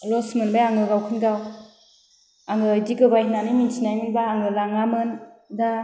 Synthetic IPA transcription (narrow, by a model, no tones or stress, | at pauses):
lɔsmɯnbajaŋɯɡawkʰɯnɡaw | aŋɯjdiɡɯbajhinaniminsʰinajminbaːŋɯlaŋamɯnda